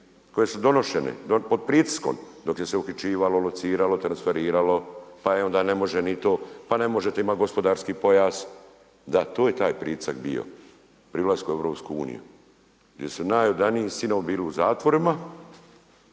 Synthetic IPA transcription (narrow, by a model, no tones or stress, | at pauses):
ko̞je̞sud̪o̞no̞ʃenḛd̪opo̞d̪̚pɾiːt̪i̥sko̞̰md̪o̞kje̞seuxit͡ʃiːʋalolot̪siːɾalo̞t̪ɾansfe̞ɾiːɾalo̞paeo̞nd̪aːne̞mo̞ʒenit̪o̞ːpane̞mo̞ʒet̪eimaɡo̞spo̞d̪aːɾskiːpo̞jaːz | d̪at̪oːje̞t̪aːjpɾḭːt̪i̥sakbḭjo̞̰ | pɾilˠaskueʋɾo̞ːpskuṵːnḭjṵ | ɡd̪je̞sunaːjod̪aniisinombiːliuzaːt̪ʋo̞ɾima